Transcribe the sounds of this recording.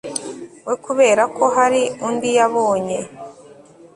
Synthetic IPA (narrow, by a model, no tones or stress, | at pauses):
wekuβe̞ːɾakʰo̞ɦaɾiundijaβo̞ːɲe̞